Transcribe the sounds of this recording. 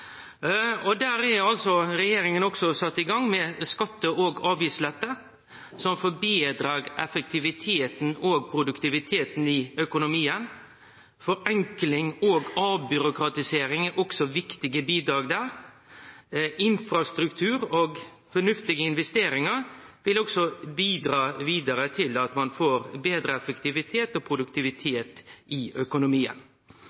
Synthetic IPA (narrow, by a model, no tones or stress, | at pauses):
ɔd̪æːɾɛɑlsɔɾɛjeːɾɪŋənɔksɔsɑt̪ːɪɡɑŋmɛskɑt̪ːəʔoːɡɑːʋiːslɛt̪ːə | sɔmfɔbiːd̪ɾɑɾɛfək̚t̪ɪʋɪt̪ʰeːt̪n̩oːɡ̚pʰɾʊd̪ʉkt̪ɪʋɪt̪ʰeːt̪n̩ɪœkʊnʊmiːən | fɔɾɛŋklɪŋoːɡɑːbʏɾʊkɾɑt̪ɪseːɾɪŋɛʔɔksɔʋɪkt̪ɪɡəbiːd̪ɾɑːɡd̪æɾ | ɪnfɾɑst̪ɾʉkt̪ʰʉːɾoːɡ | fɔnʉft̪ɪɡəɪnʋɛst̪eːɾɪŋɑɾʋɪlɔksɔbiːd̪ɾɑːʋiːd̪əɾət̪ʰɪlɑt̪mɑnfoːɾbeːd̪ɾəɛfɛkt̪ɪʋɪt̪ʰeːt̪oːpʰɾʊd̪ʉkt̪ɪʋɪt̪ʰeːt̪ɪʔœkʊnʊmiːə̰n